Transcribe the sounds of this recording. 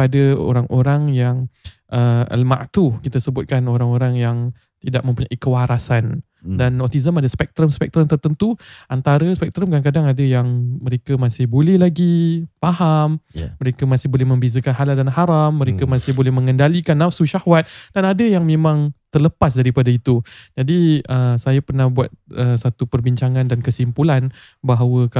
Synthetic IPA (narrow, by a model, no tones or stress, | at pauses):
adəo̰ɾaŋʔoɾaŋjaŋ | ʔəə̰lma̰ʔt̪ukit̪asəbʊt̪̚kanoɾaŋoɾaŋjaŋ | t̪idaʔ̚mə̃mpuɲaʔikəwaɾasan | danːɔt̪izəmadaspɛk̚t̪ɾəmspɛk̚t̪ɾəmt̪ərt̪ənt̪uʔant̪aɾəspɛk̚t̪ɾəmkaaŋkadaŋadəjaŋməɾekəmasɪhbolɛhlaɡifahamːəɾekəmasɪhbolɛhmə̃mbezəkanɦaladanhaɾamːə̃ɾekəmasɪhbolɛhmə̃ŋəndalikanːafsuʃahwat̪̚danadəjaŋmẽmãŋt̪ərləpasdaɾipadait̪ud͡ʒadiəsajapərnahbuat̪̚əsat̪upərbiɲt͡ʃaŋãndankəsimpulan | baɦawək